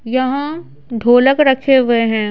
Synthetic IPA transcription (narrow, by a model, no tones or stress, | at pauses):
jɐɦã | d̪ʱoːləkɾɐkʰeʋeɦɛ̃ː